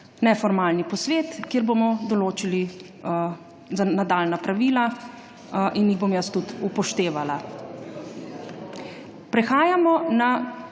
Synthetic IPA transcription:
nɛfɔɾmalnipɔsʋeːt̪kjeɾbomɔd̪ɔloːt͡ʃili | zanad̪alnapɾaʋiːla | ʔinjiɣbomjɐst̪ut̪upɔʃt̪eːʋala | pɾɛxaːjamɔna

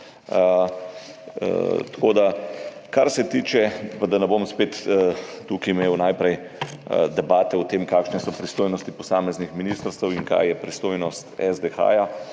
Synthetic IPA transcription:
t̪koːd̪akaɾsɛt̪iːt͡ʃɛpad̪anɛbomspeːt̪ː | ukiːmeːwnajpɾɛj | d̪ɛbaːt̪ɛʊt̪emkaːkʃnɛsɔpɾist̪oːjnɔst̪ipɔsaːmɛznixminiːst̪əɾst̪ɛwiŋka̰jjɛpɾist̪oːjnɔst̪ɛzd̪exa̰ːja

